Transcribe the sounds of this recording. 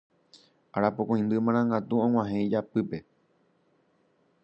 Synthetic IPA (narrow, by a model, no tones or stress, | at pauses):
aɾapokõj̃nd̪ɨmããŋɡat̪uõŋw̃ʷãɦẽd͡ʒapɨpe̞